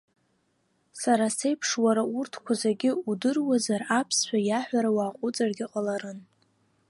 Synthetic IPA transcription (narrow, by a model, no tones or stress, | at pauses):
saɾase̞jpʰʂwaɾaurtʰkʷʰazaɡʲɪudɨrwazarapʰsħʷᶣajaħʷᶣaɾawaːqʷʼʊt͡sʼarɡʲɪqʼalaɾɨn